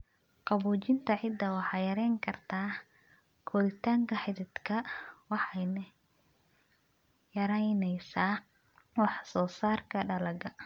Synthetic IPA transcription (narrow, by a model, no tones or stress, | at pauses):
qɑβuːt͡ʃɪnt̪ʰɐʕɪd̪ːɐwɑħɑjɐɾɛjŋkʰɐrt̪ʰaː | kʰɔːðɪt̪ʰaːŋkʰɐħɪðɪd̪kʰɐwɑħɑjnɐ | jɐɾɛjnɛjsaː | wɑħsɔːsaːrkʰɐɖɐlɐɡɐ